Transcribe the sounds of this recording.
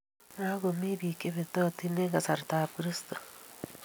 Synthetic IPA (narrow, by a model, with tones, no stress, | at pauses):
na˦ɣo˨me˦βi˨ke˦βet̪o˦ti˦ne˦ŋɡa˨sa˨ɾtaakɾisto̥